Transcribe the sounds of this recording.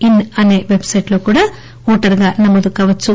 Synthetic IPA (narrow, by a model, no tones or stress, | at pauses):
inɐne̞ːʋe̞bsɐjʈlo̞ːkuːɽaː | ɔːʈɐɾɡaːnɐmːɐd̪ukaːʋɐt͡ʃːu